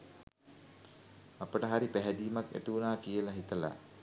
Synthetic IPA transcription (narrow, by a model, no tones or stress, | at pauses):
apəʈəɦaɾipæɦɛd̪iːmakæ̰t̪uunaːkijəlaɦit̪əla̰